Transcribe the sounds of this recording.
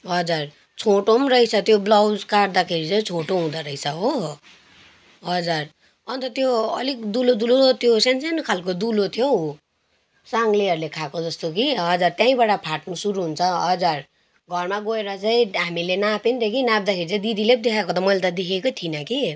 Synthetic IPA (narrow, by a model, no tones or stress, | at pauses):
ɦʌd͡zar | t͡sʰoʈomɾʌit͡sʰʌt̪joblawd͡zkaʈd̪akʰeɾit͡saĩt͡sʰoʈoɦũd̪ʌɾʌit͡sʰʌɦo | ɦʌd͡zar | ʌnt̪ʌt̪joʌlik̚d̪ulod̪ulot̪ʰjosansenkʰalkod̪ulot̪ʰjoɦo | saŋɡleʌɾlekʰakod͡zʌst̪okiʌd͡zart̪jãĩbaɽapʰaʈnusuɾuɦunt͡sʰʌʌd͡zar | ɡʱʌrmaɡoeɾʌt͡saĩɦamilenapint̪ekinãp̚d̪akʰeɾit͡saĩd̪id̪ilep̚d̪ekʰakot̪ʌmʌilet̪ʌd̪ekʰekot̪ʰinʌki